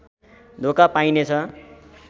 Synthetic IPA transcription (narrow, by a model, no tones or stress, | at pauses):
d̪ʱokapajnet͡sʰʌ